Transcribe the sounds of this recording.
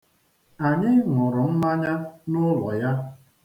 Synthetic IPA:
a˨ɲɪ˦ŋʊ˨ɾʊ˨m̩˦ma˦ɲa˦nʊ˦lɔ˨ja˦

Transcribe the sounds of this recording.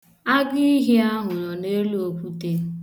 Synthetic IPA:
a˦ɡɪ˦ɦi˦a˦ɦʊ˨nɔ˨ne˦lo˨ku˦te˦

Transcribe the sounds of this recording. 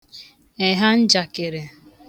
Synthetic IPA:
e˨ɦa˦n̩˦d͡ʒa˨ke˨ɾe˨

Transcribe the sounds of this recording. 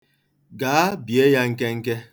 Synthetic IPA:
ɡaː˨˦bje˦ja˦ŋ̩˦ke˦ŋ̩˦ke˦

